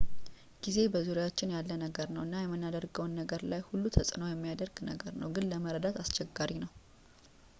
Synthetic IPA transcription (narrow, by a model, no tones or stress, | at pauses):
ɡ̥ize̞bəzuɾejaot͡ʃːɪnjalːənəɡəɾnəwʔɨnːajɛmːɨnːad̪əɾɡəwnːəɡəɾlajhulːut̪ʰəsʼno̞jɛmːijad̪əɾɡnəɡəɾnəwɡɨnləməɾəd̪at̪ast͡ʃɛɡːaɾinəw